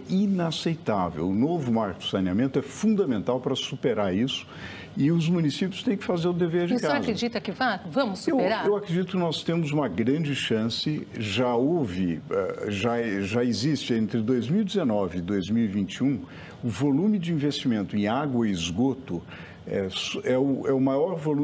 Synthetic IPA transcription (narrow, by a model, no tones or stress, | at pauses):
inasejt̪avḛwʊnovʊmaɾkd̪ʊ̥saniamẽnt̪ʊɛfũnd̪ɐmẽnt̪awpɾɐsupeɾaɾisʊ̥ | ɪʊzmunisipjʊst̪ẽj̃kɪ̥fazeɾʊd̪eveɾd͡ʒɪkãazkɾed͡ʒit̪ɐkɪvavɐ̃mʊsːeweɾaewakɾed͡ʒit̪ʊkɪnɔst̪ẽmʊzũmɐɡɾɐ̃d͡ʒɪʃɐ̃sɪʒaowvɪɛ̰ʒaʒaɪzist͡ʃɪẽnt̪ɾɪd̪ojzmiwid͡ʒɪzenɔvɪːd̪ojzmiwivĩnt͡ʃiũ | ʊvolũmɪd͡ʒɪĩvest͡ʃimẽnt̪ʊẽaɡwɐɪzɡot̪ʊ | ɛ̰sɛʊʔɛʊmajɔɾvolũ